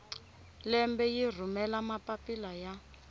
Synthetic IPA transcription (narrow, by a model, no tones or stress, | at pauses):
lɛmbɛjir̤umɛlamapapilaja